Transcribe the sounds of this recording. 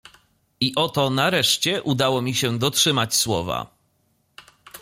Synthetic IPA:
iʔɔt̪ɔnaɾɛʂt͡ɕɛʔud̪awɔmʲiɕɛd̪ɔtʂɘmat͡ɕswɔ̰va̰

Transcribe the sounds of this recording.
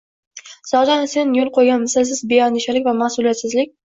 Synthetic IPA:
sɒd͡ʒanse̞njolˠqʰojɡʲanmɪsas̬ɪzbejɒnɪʃalɪkʲvamasʊlijat̪sɪzlɪkʲ

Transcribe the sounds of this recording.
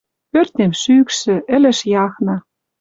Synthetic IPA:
pørt̪ʲemʃyːkʃɘ̆ʔɘ̆lɘ̆ʃjɑxnɑ

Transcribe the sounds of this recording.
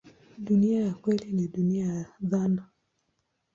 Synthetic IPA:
ɗuniajakwɛliniɗuniajjaðana

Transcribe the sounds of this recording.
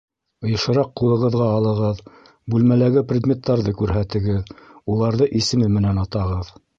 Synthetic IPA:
ɤ̆jɤ̆ʃɤ̆ɾɑqqːulˠɤ̆ʁɤ̆ðʁɑːlˠɤ̆ʁɤð | bʉlmælæɡɘprʲed̪mʲe̞t̪ːɑɾðɤkʉɾɦæt̪ɘ̆ɡɘðulˠɑɾðɤʔisɘ̆mɘmɘ̆nænɑt̪ɑʁɤð

